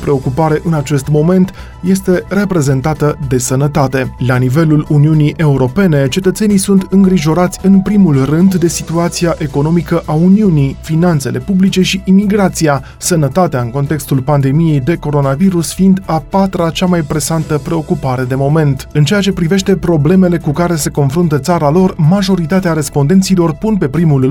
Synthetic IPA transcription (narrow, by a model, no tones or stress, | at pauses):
pɾe̞o̞kupaɾe̞ʔɨnat͡ʃe̞st̪mo̞me̞nt̪ | je̞st̪e̞re̞pɾe̞ze̞nt̪at̪əd̪e̞sənət̪at̪e̞lanive̞luluniunijʔe̞uɾo̞pe̞ne̞t͡ʃe̞t̪ət̪se̞nijsunt̪ɨŋɡɾiʒo̞ɾat̪sʲɨnpɾimulrɨnd̪ːe̞sit̪uat̪siaʔe̞ko̞no̞mikəʔauniunijfinant̪se̞lʔe̞publit͡ʃe̞ʃiʔimiɡɾat̪sija | sənət̪at̪eaɨŋko̞nt̪e̞kst̪ulpand̪e̞mije̞jd̪e̞ko̞ɾo̞naviɾusfind̪apat̪ɾat͡ʃamajpɾe̞sant̪əpɾe̞o̞kupaɾe̞d̪e̞mo̞me̞nt̪ɨnt͡ʃejat͡ʃe̞pɾive̞ʃt̪e̞pɾo̞ble̞mele̞kukaɾe̞se̞ko̞nfɾunt̪ət̪saɾalo̞rmaʒo̞ɾit̪at̪eaɾe̞spo̞nd̪e̞nt̪silo̞rpunpe̞pɾimul